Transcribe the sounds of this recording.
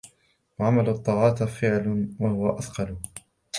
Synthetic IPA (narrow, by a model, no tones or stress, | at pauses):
waʕamalʊt̪ˤːɑːʕɑːt̪fɪʕlwahʊwaʔɑθqɑlʊ